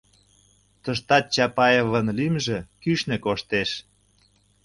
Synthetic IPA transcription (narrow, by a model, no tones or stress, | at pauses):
t̪əʃ̬t̪ɑt̪̚t͡ɕɑpɑjevənlimʒĕkyʃnĕkoʃt̪eʃ